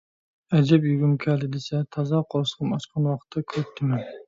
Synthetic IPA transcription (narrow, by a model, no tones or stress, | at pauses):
ɛd͡ʒɛpjyɡʲymkʲʰɛlɪd̪esɛt̪ʰɑzɑqʰolˠɨʃqʰɑnɑʃqʰɑnwɑqʰə̥t̪ʰːɑkʲʰøp̚t̪ʰɪmɛn